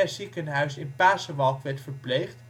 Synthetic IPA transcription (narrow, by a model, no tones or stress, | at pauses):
ɛzikənɦœɥsɪnpaːsəʋɑlˠkʋɛɹtfəɹplejχt